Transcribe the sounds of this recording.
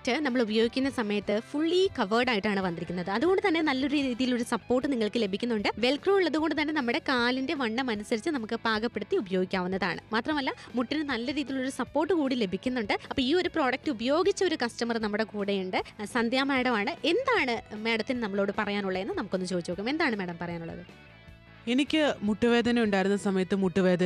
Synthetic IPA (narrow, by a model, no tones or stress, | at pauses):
tɨnɐmːɐɭubɐjo̞ːɡikʲːunːɐsɐmɐjɐt̪ːɨfuɭːikɐʋɐrɖaːjiʈːaːɳɨʋɐnd̪iɾikʲːunːɐðɨɐðuɣo̞ɳɖɨt̪ɐnːe̞nɐlːɐoɾɾiðiːðijilo̞ɾusɐpːo̞ːrʈːɨniŋːɐɭkɨle̞bʱikʲːunːuɳɖɨʋe̞lkruːuɭːɐðuɣo̞ɳɖɨt̪̬ɐnːe̞nɐmːuɽe̞kaːlinde̞ʋɐɳːɐmɐnusɐɾit͡ɕːɨnɐmukːɨbaːɡɐpːe̞ɽut̪ːiubɐjo̞ːɡikʲːaːʋunːɐða̰ːɳɨ̰maːt̪rɐmɐlːɐ | muʈːinɨnɐlːɐɾiːðijiuɭo̞ɾusɐpːo̞ːrʈːɨkuːɽile̞bʱikʲːunːuɳɖɨɐpːoːiːo̞ɾupro̞ːɽɐk̚ʈɨubɐjo̞ːɡit͡ɕːɐo̞ɾukɐstɐmɐrnɐmːuɽe̞kuːɽejuɳɖɨsɐnd̪ʱjaːmeːɽɐmaːɳɨe̞nd̪aːɳɨmeːɽɐt̪ːinɨnɐmːɐɭo̞ːɽɨpɐrɐjaːnuɭːɐenːɨnɐmukːo̞nːɨmt͡ɕo̞ːd̪it͡ɕːpokːɐme̞nd̪aːɳɨmeːɽɐmpɐrɐjaːnuɭːɐ̰ðɨ̰ | e̞nikʲːɨmuʈːuʋe̞ːd̪ʱɐnɐuɳɖaːjiɾunːɐsɐmɐjɐt̪ːɨmuʈːuʋe̞ːd̪ɐ